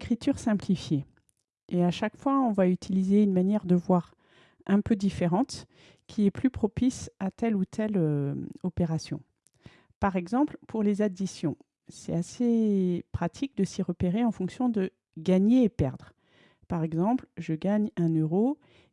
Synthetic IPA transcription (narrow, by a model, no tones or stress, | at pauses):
kχit̪yʁsɛ̃plifje | eaʃakfwaɔ̃vayt̪ʰilizeynmanjɛʁd̪əvwaʁ | ʔɛ̃pød̪ifeʁɑ̃t̪ | kʲʰiɛplypχɔpisat̪ɛlut̪ʰɛløɔpeʁasjɔ̰̃ | paʁɛɡzɑ̃plpuʁlezad̪isjɔ̃ | sɛ̰asepχat̪ʰik̚d̪əsiʁəpeʁeɑ̃fɔ̃ksjɔ̃d̪ə | ɡaɲeːpɛʁd̪ʁ | paʁɛɡzɑ̃plʒəɡaɲɛ̃nøʁo